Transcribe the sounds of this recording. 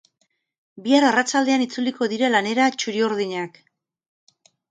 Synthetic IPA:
biaɾarat͡ʃald̪e̞anit͡suliko̞ðiɾalane̞ɾat͡ʃuɾio̞ɾðiɲak

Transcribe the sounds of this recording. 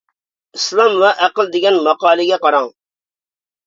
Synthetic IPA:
islˠɑmwɛʔæqəlˠd̪ɪɡʲɛnmɑqɑːlˠɪɡʲɛqɑɾɑŋ

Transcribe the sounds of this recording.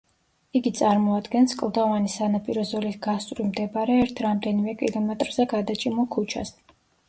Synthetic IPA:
iɡit̪sʼaɾmɔad̪ɡɛnskʼlˠd̪avanisanapʼiɾɔzɔliɡast̪ʼɾimd̪ɛbaɾɛːɾt̪ʰɾamd̪ɛnimɛkʼilɔmɛt̪ʼɾz̥ɛɡad̪at͡ʃʼimukʰut͡ʃʰas

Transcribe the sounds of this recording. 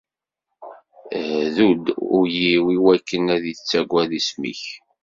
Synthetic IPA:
ðud̪ʊɾjiwiwækːənæðət͡sːæɡʷæðismḭç

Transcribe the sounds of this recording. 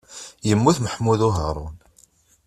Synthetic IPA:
jəmːuθməħmuðʊɦəɾˤʊ̰n

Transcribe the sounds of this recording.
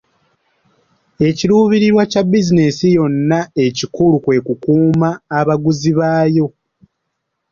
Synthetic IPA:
e̞ciluːβiɾiɾwacabizine̞sijo̞nːae̞cikulukwe̞kukuːmaːβaɡuziβaːjo̞

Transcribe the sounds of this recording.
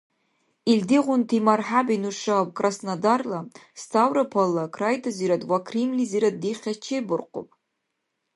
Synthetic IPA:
ildiʁʷʊntʰimarħabinuʂapkʼrasnadarlastʰawɾapʰalːakʰrajtʰaziɾatʼwakʰrimliziɾat̚diχʲat͡ʃʰejbʊrqʰʷʼo̰pʼ

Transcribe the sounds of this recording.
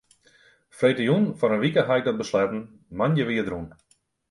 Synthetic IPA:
frejtəjunfɔnənʋikəɦajk̚dɔt̚bəslɛpn̩ | manjəʋiədɾun

